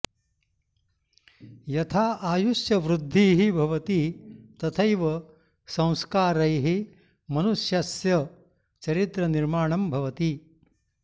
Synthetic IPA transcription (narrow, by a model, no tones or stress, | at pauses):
jɐt̪ʰaːʔaːjuʃjɐʋɾud̪ʱːiːɦibʱɐʋɐt̪it̪ɐt̪ʰɐjʋɐ | sɐ̃w̃skaːɾɐjɦi | mɐnuʃjɐsjɐ | t͡ʃɐɾit̪ɾɐniɾmaːɳɐmbʱɐʋɐt̪i